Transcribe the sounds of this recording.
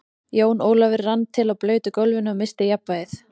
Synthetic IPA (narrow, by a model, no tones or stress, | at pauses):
joːwnoːwlavɪɾːant̪ʰːɪlaðplœːɥt̪ʏkolvɪnʏamɪst̪ɪjapːaɪθ